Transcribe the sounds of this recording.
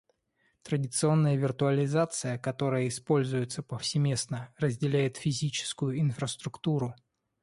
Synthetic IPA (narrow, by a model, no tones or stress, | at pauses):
t̪ɾədʲɪt̪sɨo̞nːəjəvʲɪrt̪ʊəlʲɪzat̪sɨjəkɐt̪o̞ɾəjəɪspo̞lʲzʊjɪt̪səpəfsʲɪmʲe̞snərəzʲdʲɪlʲæjɪt̪fʲɪzʲit͡ɕɪ̥skʊjʊɪnfɾəst̪ɾʊkt̪uɾʊ